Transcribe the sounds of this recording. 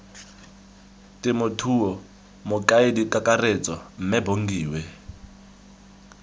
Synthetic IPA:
tɪmʊtʰuɔ | mʊkʼaidikʼakʼaret͡sʼɔm̩mɛboŋɡiːwɛ

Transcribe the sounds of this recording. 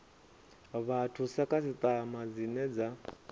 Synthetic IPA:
βatʰusakʼasit̪ʼamad͡zinɛd͡za

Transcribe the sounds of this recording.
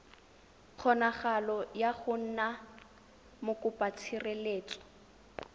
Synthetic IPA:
q͡χʰɔnaχalɔjaχʊn̩na | mʊkʊpʼat͡sʰireleːt͡sʼɔ̥

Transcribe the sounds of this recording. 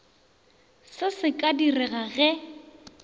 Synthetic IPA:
sɪsɪkʼadirɛɣaɣɛ

